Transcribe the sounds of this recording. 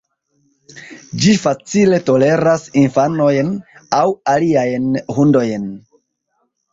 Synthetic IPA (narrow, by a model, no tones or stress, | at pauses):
d͡ʒifat͡sile̞to̞le̞ɾasinfano̞jnawaliajnhundo̞jn